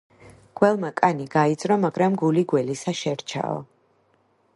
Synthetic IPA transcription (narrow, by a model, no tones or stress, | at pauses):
ɡ̥wɛlˠmakʼaniɡaid̪zʼɾɔmaɡɾamɡuliɡwɛlisaʃɛɾt͡ʃʰa̰ɔ̰